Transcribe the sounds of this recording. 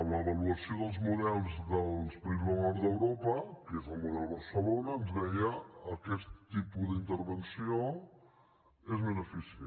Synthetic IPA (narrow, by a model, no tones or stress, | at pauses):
əmləβəluəsioðəlˠzmuðɛlˠzðəlˠspəɾizβənɔɾd̪əwɾopəkezəlˠmuðɛlˠβəɾsəlonəːnzðɛjəːkɛst̪ːipuðint̪əɾβənsio | ezβənəfis